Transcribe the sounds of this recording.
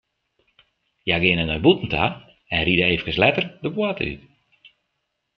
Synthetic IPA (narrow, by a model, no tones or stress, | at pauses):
jaɡɪənənəbutn̩tʰa | ɛnridəeːfəkəslɛtərdəbwatəy̰